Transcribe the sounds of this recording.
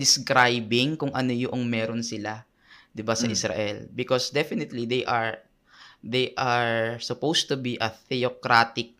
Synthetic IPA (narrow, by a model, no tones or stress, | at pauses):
d̪ɪskɾajbɪŋkʊŋʔɐnojʊʔoŋmɛːɾonsɪla | d̪ɪbasɐʔɪsɾa̰ʔɛlbɪkosd̪ɛfɪnɪt̪lid̪ejʔɐɹ | d̪ejʔaɹsʊpowst̪ʊbiʔɐθɛokɾat̪ɪk̚